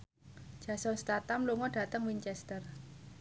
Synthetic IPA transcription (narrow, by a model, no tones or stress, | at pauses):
ʒ̥ä̤sɔst̪at̪amluŋɔɖ̥ä̤t̪əŋwiɲt͡ʃɛst̪ər